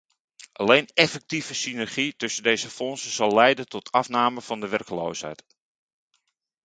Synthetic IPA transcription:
ʔalejnɛfɛk̚tivəsinɛrχitɵsəndejzəfɔnsəz̥ɑlˠːɛjdəntɔtʰɑfnaːməvɑndəʋɛrkəlo̰ːshɛ̰jt

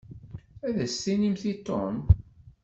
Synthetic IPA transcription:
æðæsːinimθit̪ːo̰m

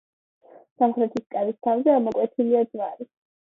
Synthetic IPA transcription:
samχɾɛt̪ʰiskʼadist̪ʰavzɛamɔkʼwɛt̪ʰiliad̪z̥vaɾi

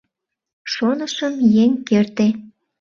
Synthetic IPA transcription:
ʃonəʃəmjeŋkert̪e

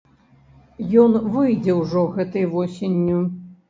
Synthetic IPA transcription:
jɔnvɨjd͡zʲɛwʐɔɣɛt̪ɨjvɔsʲenʲːu

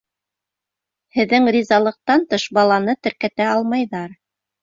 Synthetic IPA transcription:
hɘ̆ðːɘŋɾʲizɑlˠɤ̆q̚t̪ɑnt̪ɤʃbɑlˠɑnɤt̪ɘ̆ɾkæt̪æɑlˠmɑjðɑɾ

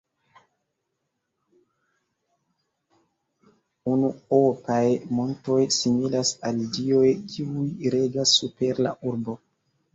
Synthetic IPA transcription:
unuopajmonto̞jsimilasaldio̞jkʰiujɾe̞d͡ʒasːupe̞ɾla̰ʔuɾbo̞

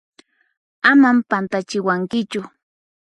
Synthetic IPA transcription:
amampant̪at͡ʃɪwaŋkɪt͡ʃʊ

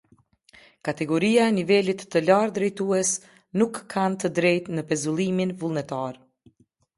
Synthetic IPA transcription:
kat̪ɛɡɔɾiaɛnivɛlit̪ːəlaɾd̪ɾɛjt̪uɛs | nukʰːant̪əd̪ɾɛjt̪nəpɛzulˠiminvulˠnɛt̪aɾ

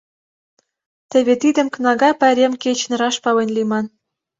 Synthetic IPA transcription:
t̪ə̆βet̪id̪ə̆mk̆nɑɣɑpæɾʲemket͡ɕnɤ̆ɾɑʃpɑlenʲlimɑn

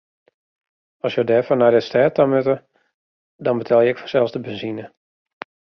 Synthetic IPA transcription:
ɔsjədɛːfɔnajdɪstɛːtamøtə | dɔnbətʰɛlˠjəɪkfɔ̥sɛlˠzdəbənzinə

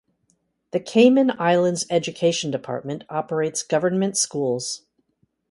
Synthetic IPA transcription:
ðɨkʰẽɪ̃mɨ̃naɪlˠə̃ndzɛd͡ʒɨkʰeɪʃn̩dɨpʰɑ̰ɹt̚mɨ̃ntʰɑpə˞eɪtsɡ̥ʌvə˞nmɨ̃ntskulˠz̥

